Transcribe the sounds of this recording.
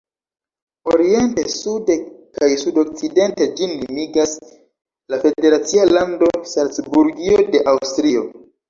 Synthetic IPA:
o̞ɾie̞nte̞sude̞kajsudo̞k̚t͡side̞nte̞d͡ʒinːimiɡas | lafe̞de̞ɾat͡sialando̞sant͡sbuɾɡio̞de̞ʔawstɾio̞

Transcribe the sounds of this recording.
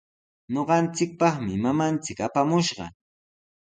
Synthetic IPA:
ɲoɢɑnt͡sɪk̚pɑχmɪmamant͡sɪkapamʊʃɢɑ̰

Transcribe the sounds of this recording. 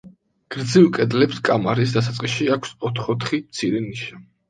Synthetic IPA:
ɡ̥ɾd̪zivkʼɛd̪lɛpskʼamaɾis̬d̪as̬at̪sʼqʼiʃiakʷʰsɔt̪ʰχɔt̪ʰχimt̪sʰiɾɛniʃa

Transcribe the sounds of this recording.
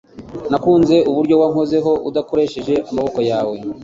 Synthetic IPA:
nakuːnze̞ʔuβuɾɟo̞waŋo̞ze̞ɦo̞ṵdako̞ɾe̞ːʃe̞ʒe̞ʔamaβo̞ko̞jaːwe̞

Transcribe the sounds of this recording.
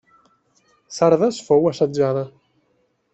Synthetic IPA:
saɾðasfowasad͡ʒaða

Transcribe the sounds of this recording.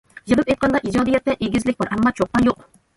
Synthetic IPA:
jɨlˠɨpejt̪̚qʰɑnd̪ɑʔid͡ʒɑːd̪ijɛt̪ːɛʔeɡʲɪzlɪk̚ʲbɑɾʔɛmːɑt͡ʃʰoq̚t̪ɑnjoq

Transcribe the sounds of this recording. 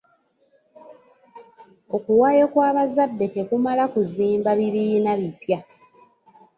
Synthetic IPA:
o̞kuwaːjo̞kwaːβazadːe̞te̞kumalakuziːmbaβiβiinaβipja

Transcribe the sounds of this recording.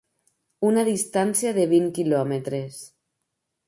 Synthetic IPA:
unaðist̪ansjaðeβ̞iŋkilɔmet̪ɾes

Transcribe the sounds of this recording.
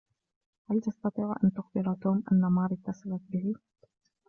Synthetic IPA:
halt̪ɑst̪ɑt̪ˤiːʕʔa̰nt̪ʊxbɪɾat̪oːmʔanːamaːɾˤɪt̪ːasɑlat̪̚bɪhɪ

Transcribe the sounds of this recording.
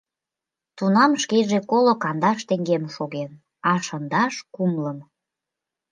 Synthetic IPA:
t̪unɑmʃkeʒekolokɑnd̪ɑʃt̪eŋɡemʃoɣen | ɑʃənd̪ɑʃkumləm

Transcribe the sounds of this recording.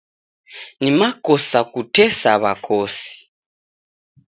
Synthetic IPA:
nimakɔsakutɛsaβa̰kʰoːsi̥

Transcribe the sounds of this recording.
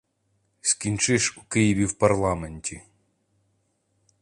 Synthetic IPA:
sʲkʲinʲt͡ʃɪʃukɪjɪʋʲiwpɐrlˠɑmenʲtʲi

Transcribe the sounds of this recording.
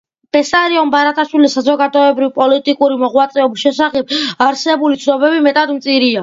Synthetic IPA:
b̥ɛsaɾiɔmbaɾat̪ʼʰaʃwilisːazɔɡad̪ɔɛbɾivpʼɔlit̪ʼikʼuɾimɔʁwat̪sʼɛɔbisʃɛsaχɛb̚aɾsɛbulit̪sʰd̪ɔbɛbimɛt̪ʼad̪mt̪sʼiɾia

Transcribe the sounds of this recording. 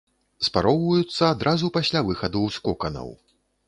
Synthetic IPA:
spaɾɔwvɐjut̪sːɐːd̪ɾʔazupasʲlʲavɨxɐd̪uwskɔkɐnɐ̰w

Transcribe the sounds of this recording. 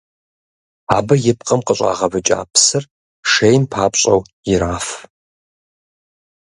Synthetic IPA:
aːbɐjɪp̚ʼqʼɐmqəɕʼa̰ːʁɐbɨt͡ʃʼa̰ːpʰsɨr | ʂejmpʰaːpɕʼɐ̰w | jɪɾaːf

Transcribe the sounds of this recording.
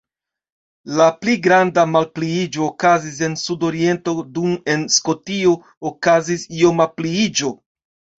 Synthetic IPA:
lapliɡɾandamalpliid͡ʒo̞ːkazis̬e̞nsudo̞ɾie̞nto̞dume̞nsko̞tio | okazisio̞mapliid͡ʒo̞

